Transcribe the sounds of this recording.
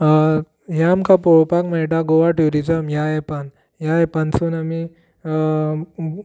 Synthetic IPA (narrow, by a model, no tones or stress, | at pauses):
ɦjamkʰapoɭpakməɭʈ̬aɡoʋaʈuɾid͡zəmjaepan | jajɛpansuːnami